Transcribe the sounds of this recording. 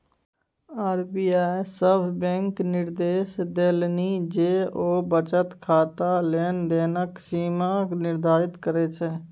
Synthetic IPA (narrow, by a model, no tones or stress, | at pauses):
aːɾbiːaːjsəbbɛ̃ŋknɪɾd̪eːʃd̪eːlniːd͡ʒeːʔoːbət͡ʃət̪kʰaːt̪aːleːnd̪eːnəksiːmãːnɪɾd̪ʱaːɾɪt̪kəɾeːt͡ʃʰɛː